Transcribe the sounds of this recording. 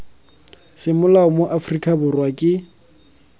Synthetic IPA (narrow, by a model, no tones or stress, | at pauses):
sɪmʊlaʊmoʔafrikʼabʊrwakʼɪ